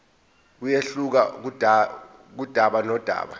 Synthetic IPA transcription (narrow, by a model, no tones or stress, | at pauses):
k̬ujeɬuk̬ak̬uda | k̬ud̥ʱaɓanɔd̥ʱa̰ːɓa